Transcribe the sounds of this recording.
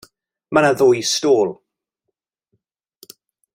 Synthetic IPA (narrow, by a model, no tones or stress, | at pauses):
manaðojstoːlˠ